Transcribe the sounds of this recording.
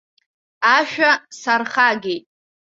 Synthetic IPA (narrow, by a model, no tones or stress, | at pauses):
aʃᶣasarχaɡʲejtʼ